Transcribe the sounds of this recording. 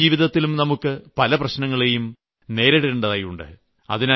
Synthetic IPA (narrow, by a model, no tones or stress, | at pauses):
iːʋiðɐt̪ːilumnɐmukːɨpɐlɐprɐɕnɐŋːɐɭe̞jum | ne̞ːɾeɽeɳɖɐðɐjuɳɖɨ̰ | ɐ̰ðinɐ